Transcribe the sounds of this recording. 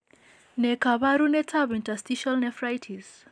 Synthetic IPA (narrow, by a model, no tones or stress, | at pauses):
nɛkaβaɾunɛtʰaβintastiʃɔlnɛfɾajtʰiz̥